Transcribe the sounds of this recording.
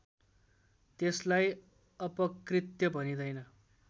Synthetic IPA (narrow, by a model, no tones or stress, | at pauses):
t̪eslaj | ʌpʌkrit̪jʌbʱʌnid̪ʌjnʌ